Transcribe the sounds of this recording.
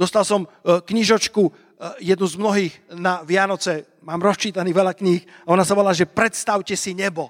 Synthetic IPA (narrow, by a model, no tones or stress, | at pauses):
d̪ɔst̪alsɔmkɲiʒɔt͡ʃku | jɛd̪nuzmnɔɦiːɣnaʋɪanɔt͡sɛ | maːmɾɔst͡ʃiːt̪aniːʋɛʎakɲiːxaɔnasaʋɔlaːʒɛpɾɛt̪st̪aʊcɛsiɲɛbɔ